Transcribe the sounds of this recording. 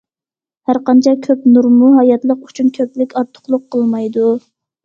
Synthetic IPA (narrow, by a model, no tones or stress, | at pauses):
hæɾqɑnt͡ʃʰɛkʲʰøpnuɾmuɦɑjɑt̪lˠəqyt͡ʃʰynkʲʰøplɪkʲɑɾt̪ʰːʊ̥χlˠʊqʰːəlˠmɑjd̪u